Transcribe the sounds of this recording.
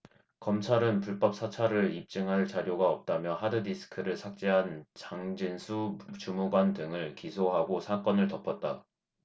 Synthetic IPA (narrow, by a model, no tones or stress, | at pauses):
kʌmt͡ɕʰaɾɯnpuɭp͈ʌp̚s͈ʰat͡ɕʰaɾɯɭip̚t͡ɕ͈ɯŋɦaɭt͡ɕaɾjoɡaʌp̚t͈amjʌɦadɯdisʰɯ̥kʰɯɾɯɭsʰak̚t͡ɕ͈eɦant͡ɕaŋd͡ʑinsʰut͡ɕumuɡwandɯŋɯɭkisʰoɦaɡosʰak͈ʌnɯɭtʌpʰʌt̚t͈a